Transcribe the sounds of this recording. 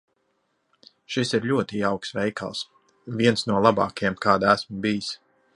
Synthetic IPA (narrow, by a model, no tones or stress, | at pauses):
ʃisiɾlʲuɔt̪iawksvɛjka̰lˠs | vʲiɛnsnuɔlˠabɑ̰ːkjɛmkaːd̪æsmbijis